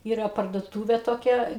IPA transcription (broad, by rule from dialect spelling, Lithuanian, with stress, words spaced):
ˈiːrɐ pɐrduɔˈtuːʋʲeː toːˈkʲɛ